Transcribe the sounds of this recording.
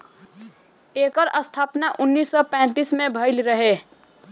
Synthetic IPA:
ekəɾəst̪ʰapnaʔʊnːisːɔpɛ̃t̪ismebʱəɪlɾəɦe

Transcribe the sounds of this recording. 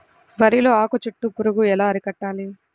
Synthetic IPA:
ʋɐɾilo̞ːaːkot͡ʃuʈːupuɾuɡuɛlaːɐɾikɐʈːaːli

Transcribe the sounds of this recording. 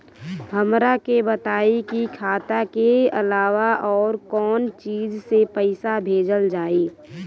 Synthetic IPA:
ɦəmɾakebət̪aːikikʰaːt̪akeə̰laːʋaʔɔːɾkɔːnt͡ʃiːzsepəɪsabʱeːd͡ʒəld͡ʒaːiː

